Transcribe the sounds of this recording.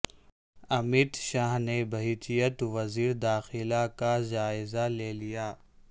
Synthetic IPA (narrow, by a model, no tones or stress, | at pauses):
ɐmɪd̪ʃaːɦnebɐɦit͡ʃ̪ijət̪ʋɐziːɾd̪aːxɪlakad͡ʒaːɪzaleːlijaː